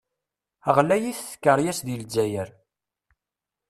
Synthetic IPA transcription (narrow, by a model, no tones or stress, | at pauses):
əʁlæjiθθə̥kːəɾˤjæsðild͡ʒæjəɾ